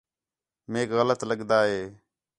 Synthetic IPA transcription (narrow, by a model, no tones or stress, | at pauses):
meːkɣələt̪ləɠd̪aːɦeː